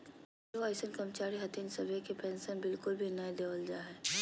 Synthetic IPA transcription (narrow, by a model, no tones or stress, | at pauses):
oaɪsənkɐmt͡ʃaːɾiɦɐt̪insɐbʱekepɛ̃ːnsənbɪlkʊlbʱinɐ̃d̪eːʋəld͡ʒaːɦɛː